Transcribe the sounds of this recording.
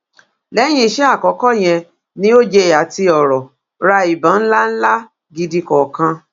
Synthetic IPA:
lɛ˨˦j̃ĩ˧˨ʃe˦a˦˨kɔ˨˦kɔ˦˨j̃ɛ̃˧ | nĩ˦o˦d͡ʒe˧˨ja˨˦ti˧ɔ˨ɾɔ˨ | ɾa˧i˨bã˨˦n̩˦la˦n̩˦la˦ | ɡi˧di˧kɔ˨kã˧

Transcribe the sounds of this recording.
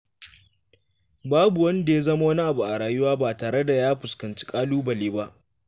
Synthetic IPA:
baː˦bu˨wɐ˦nda˨ja˦zɐ˦ma˦wɐ˦ni˦ʔa˨bu˨ʔa˨ɽaː˨jʊ˦waː˦baː˨taː˨ɽe˦da˨jaː˦ɸʊ˨skɐ˨nt͡ʃi̥˦kʼaː˦luː˦bɐ˨leː˦ba˦ʔ

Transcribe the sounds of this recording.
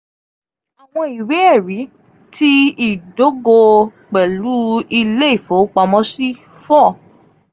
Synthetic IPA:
a˨w̃ɔ̃˧i˨we˨˦ɛ˦˨ɾi˨˦ | tʰi˦i˦˨do˨˦ɡo˧ | k͡pɛ˨lu˨˦i˧le˦i˦˨fo˨˦k͡pa˧mɔ̃˦si˦ | fɔ˦˨

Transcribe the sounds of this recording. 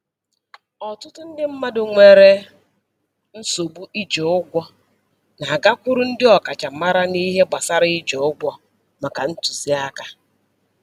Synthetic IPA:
ɔ˨tʊ˦tʊ˦n̩˦dɪ˦m̩˦ma˦dʊ˨ŋʷe˨ɾe˦ | n̩˦so˨bu˦ʔi˦d͡ʒo˨ʊ˦ɡʷɔ˦ | na˨ɡa˦kʷʊ˦ɾʊ˦n̩˦dɪ˦ɔ˨ka˨t͡ʃa˨ma˦ɾa˦ni˦ɦe˦ɡ͡ba˨sa˦ɾɪ˦i˦d͡ʒo˨ʊ˦ɡʷɔ˦ | ma˨ka˨n̩˦tu˨zi˦a˦ka˦

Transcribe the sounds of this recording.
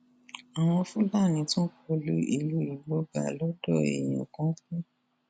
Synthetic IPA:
a˨w̃ɔ̃˧fũ˦la˦˨nĩ˨˧tũ˦k͡pɔ˧lu˦i˧lu˦i˨˧ɡ͡bɔ˧ɡa̰˨lɔ˨˦dɔ˦˨ḛ˨jĩ˨o̰˨kɔ̃˨˦kũ˦

